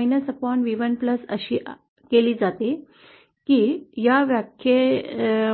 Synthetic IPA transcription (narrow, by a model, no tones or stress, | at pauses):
jnəsəpɔɳʈʋiʋənpləsə̰ɕiː | keliːd͡zat̪i | kiːjaʋjakʰje